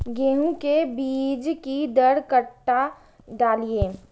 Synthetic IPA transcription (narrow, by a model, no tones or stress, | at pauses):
ɡeːɦũkebiːd͡ʒkid̪əɽkəʈːa | ɖaːlieː